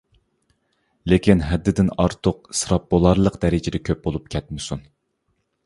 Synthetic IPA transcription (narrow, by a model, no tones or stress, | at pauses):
lekʲinɦɛd̪ːɪd̪ɪnɑɾt̪ʰʊq̚sɨɾɑp̚bolˠɑɾlˠəqd̪ɛɾɪd͡ʒɪd̪ɛkʲʰøp̚bolˠup̚kʲʰɛt̪̚mɪsun